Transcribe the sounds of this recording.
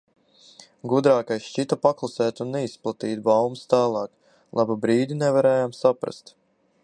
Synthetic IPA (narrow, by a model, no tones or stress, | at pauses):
ɡud̪ɾaːkajsʃt͡ʃit̪apaklˠasɛːt̪ʲunːɛisplˠat̪iːt̪bawmst̪aːlˠɑːk | lˠababɾiːd̪ʲinɛvaɾɛːjamsapɾa̰st̪